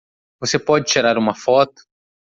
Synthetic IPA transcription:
vosepɔd͡ʒɪt͡ʃiɾaɾũmɐfɔt̪ʊ̥

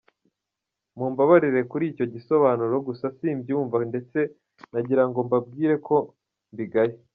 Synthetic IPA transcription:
muːmbaβaɾiɾe̞kuɾiːco̞ɟiso̞βaːnuɾo̞ɡusasimbjuːɱvande̞t͡se̞ | naɟiɾaŋɡo̞mbab̚ɡiːɾe̞kʰo̞ | mbiɡaje

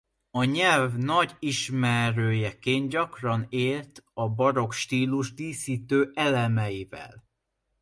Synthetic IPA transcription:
ɒɲɛlvnɒɟiʃmɛɾøːjɛkeːnɟɒkrɒneːlt̪ɒbɒɾo̞kʃt̪iːluʒd̪iːsiːt̪øːʔɛlɛmɛjivɛ̰l

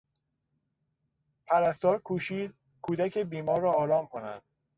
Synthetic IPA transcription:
pʰæɾæst̪ɒːɾkʰuːʃiːd̪̥̚ | kʰuːd̪æcʰebiːmɒːɾːɒːɾɒːmkʰonæ̰nd̪̥

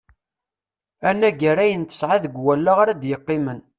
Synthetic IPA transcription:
ænːæɡæɾæjənt̪ə̥sʕaðəɡwælːaʁaɾæd̪jəqːɪmən

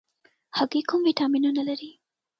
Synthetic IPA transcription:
hakikumviʈɑminunalaɾi

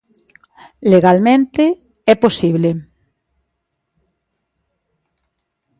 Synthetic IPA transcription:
leɣalmẽnt̪e | ɛposiβ̞le

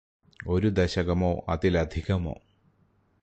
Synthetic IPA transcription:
o̞ɾud̪ɐɕɐɣɐmoːʔɐ̰ðilɐd̪ʱiɣɐmo̞̰ː

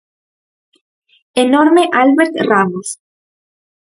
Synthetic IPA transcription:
enoɾmeʔalβeɾt̪ramos

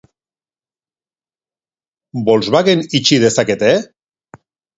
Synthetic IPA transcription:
bo̞lzβaɣenit͡ʃiðe̞sake̞t̪e

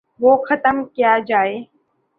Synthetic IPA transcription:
ʋoːxət̪əmkijad͡ʒaːeː

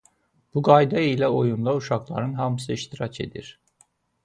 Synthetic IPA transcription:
b̥uɡajd̪aijlʲɛo̞junlˠauʃaklˠa̰ɾɯnɦamsɯiʃt̪ʰiɾat͡ʃʰe̞̰d̪ḭɾ̥

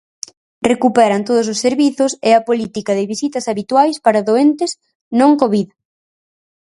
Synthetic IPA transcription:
rekupɛɾɐnt̪oð̞ʊs̬osːeɾβiθʊsɪɐpolit̪ikɐðɪβisit̪ɐsaβit̪wajspaɾɐðoent̪ɪs | nõŋkoβiðɐ

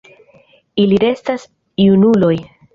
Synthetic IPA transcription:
iliɾe̞stas | iunulo̞j

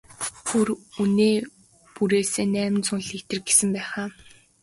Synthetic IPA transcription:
xuruneː | puɾeːseːnæːmɘ̆nt͡sʰʊnɮit̪ɘ̆rɡesɘ̆mpæːχaː

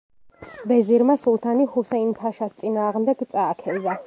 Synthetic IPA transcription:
bɛziɾmasulˠt̪ʰanihusɛint̪ʰaʃast̪sʼinaːʁmd̪ɛɡt̪sʼaːkʰɛza

